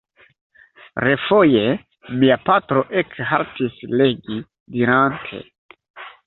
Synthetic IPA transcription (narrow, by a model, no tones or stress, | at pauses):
ɾefo̞je | miapatɾo̞ʔekɦaltisle̞ɡi | diɾantʰe̞̰